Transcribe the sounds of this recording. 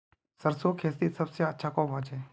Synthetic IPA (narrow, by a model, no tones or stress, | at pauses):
səɾsoːkʰeːst̪isɐbseɐtːʃʰaːkɔːmʋãd͡ʒẽː